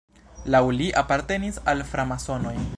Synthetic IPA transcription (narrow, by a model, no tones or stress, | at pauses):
lawliʔapaɾte̞nisalfɾamaso̞no̞j